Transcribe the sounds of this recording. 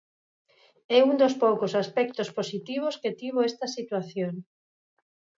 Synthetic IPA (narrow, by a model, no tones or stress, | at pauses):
ɛund̪ospowkosaspɛk̚t̪osposit̪iβ̞osket̪iβ̞oɛst̪ɐsit̪waθjoŋ